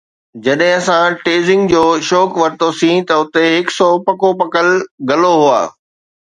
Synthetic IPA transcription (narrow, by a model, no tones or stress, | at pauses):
d͡ʑɐɗɦɪ̃ɐsãʈeːzɪ̃ŋɡd͡ʑoːʃɔːkʋɐɾt̪osĩt̪ɐʊt̪eɦɪksɔpɐkopɐkəlɡɐloɦua̰ː